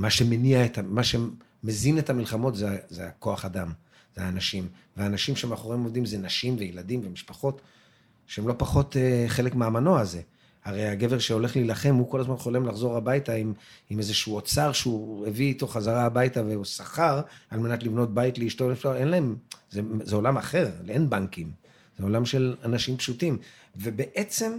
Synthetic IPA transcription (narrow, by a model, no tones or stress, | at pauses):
maʃe̞meniaetamaʃe̞ | mezinetamilχamo̞tzeazea̰ko̞aχadam | zeaːnaʃim | veanaʃimʃeemaχoʁemovd̪imzenaʃimvejeladimve̞miʃpaχo̞t | ʃeemlopaχo̞teχe̞le̞kmeamano̞aze̞ | haʁejaɡe̞veʃeo̞le̞χlilaχe̞mhukolazmanχo̞le̞mlaχzo̞ʁabajtaimimezeʃuot͡saʁʃeueviːto̞χazaʁaːbajtaveusaχaʁalme̞natlivno̞t̚bajitleiʃtoeʃae̞nlae̞mzezeo̞lamaχe̞ʁleenbaŋkim | z̥eo̞lamʃelanaʃimpʃutim | vebeʔet͡se̞m